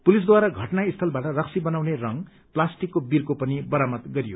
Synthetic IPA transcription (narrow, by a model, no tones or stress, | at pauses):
pulis̬d̪waɾʌɡʱʌʈnaist̪ʰʌlbaʈʌrʌksibʌnawnerʌŋ | plasʈikːobirkopʌnibʌɾamʌt̪ɡʌɾijo̰